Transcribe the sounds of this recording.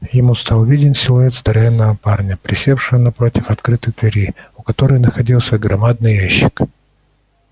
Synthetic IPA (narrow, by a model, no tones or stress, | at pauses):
jɪmust̪alˠvʲidʲɪnʲsʲɪlˠʊet̪sd̪əɾɐvʲɛnːəvəparnʲəpɾʲɪsʲe̞fʂɨvənɐpɾo̞tʲɪfɐt̪kɾɨt̪ɨɣd̪vʲɪɾʲiʊkɐt̪o̞ɾɨjnəxɐdʲilˠsʲəɡɾɐmad̪̚nɨjaɕːɪ̥k